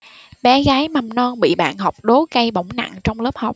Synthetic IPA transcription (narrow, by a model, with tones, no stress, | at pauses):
ɓɛ˨˦ɣaː˨˦jma˨˩mnɔ˧nɓḭ˧˨ɓa̰ː˧˨nɦɔ˨˩wk͡p̚ɗo˨˦ka˧jɓə˧˩wŋ͡mna̰˧˨ŋt͡ɕɔ˧wŋ͡mləː˦˥p̚ha˨˩wk͡p̚